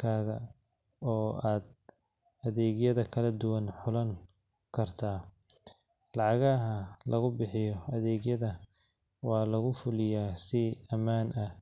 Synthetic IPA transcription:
kʰaːɣɐ | ɔːaːd̪ | ɐðɛːɣjɐðɐkʰɐlɐd̪ʊwɐnħʊlɐŋ | kʰɐrt̪ʰaː | lɑʕɑɣɐɦɐlʔɐɣʊbɪħɪjɔɐðɛːɣjɐðɐ | wɑːlɐɣʊfʊlɪjaːsɪɐmaːnʔɐ

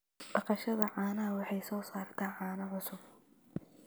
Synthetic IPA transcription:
b̥ɑqɑʃɐðɐʕɑːnɐɦɐwɑħɑjsɔːsaːrt̪ʰaːʕɑːnɐʕʊsʊb

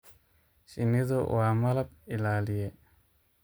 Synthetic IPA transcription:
sinid̪ɔʔwamalap̚ilalije

